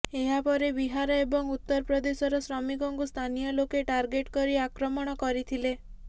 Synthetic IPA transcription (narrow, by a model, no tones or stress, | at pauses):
eɦapɔɾebiɦaɾɔebɔŋut̪ːɔɾpɾɔd̪esɔɾɔsɾɔmikɔŋkust̪ʰanijɔlokeʈaɾɡeʈkɔɾiakɾɔmɔɽ̃ɔkɔɾit̪ʰile